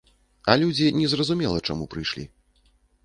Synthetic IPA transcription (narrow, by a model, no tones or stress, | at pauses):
ɐlʲud͡zʲinʲɛzrɐzumʲɛlˠɐt͡ʂamupɾɨjʂlʲḭ